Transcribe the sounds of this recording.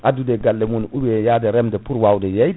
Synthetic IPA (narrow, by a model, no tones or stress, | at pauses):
ʔadudɛɡalːɛmunubɛjadɛɾɛmdɛpuɾwawdɛjɛj